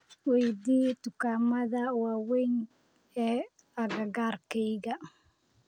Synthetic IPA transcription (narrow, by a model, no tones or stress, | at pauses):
wɛjd̪iːt̪ʊkaːmɐðɐwaːwɛjn | ɛː | ɐɡɐɡaːrkɛjɣɐ